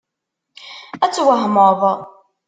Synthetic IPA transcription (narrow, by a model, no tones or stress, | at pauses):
æt͡sːwəɦməðˤ